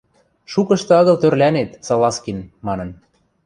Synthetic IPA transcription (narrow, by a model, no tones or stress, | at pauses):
ʃukɤ̆ʃt̪ɤ̆ɑɣɤ̆lt̪ørlænet̪sɑlɑskinmɑnɤ̆n